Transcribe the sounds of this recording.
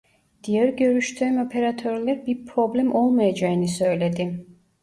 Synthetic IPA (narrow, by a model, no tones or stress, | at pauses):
d̪̥ijæɾɟø̞ɾyʃt̪ʰyːmo̞pʰe̞ɾat̪ʰøɾlʲæɾbiɾpʰɾo̞blʲæmʔo̞lˠmajad͡ʒaɯnɯsø̞jlʲe̞d̪im